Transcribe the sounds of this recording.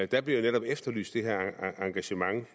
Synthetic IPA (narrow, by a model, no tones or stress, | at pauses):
d̥æb̥liɐjoneɾɒ̽b̥efd̥ɐly̰ːsd̥e̝ɦɛɐ̰ɑ̈ŋɡ̥æɕəmɑ̈ŋ